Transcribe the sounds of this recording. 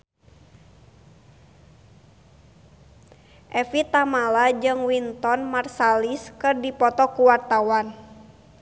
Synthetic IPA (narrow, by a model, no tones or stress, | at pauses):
ʔɛfit̪amalad͡ʒɨŋwint̪ɔnmarsaliskɨrdipɔt̪ɔkuwart̪awan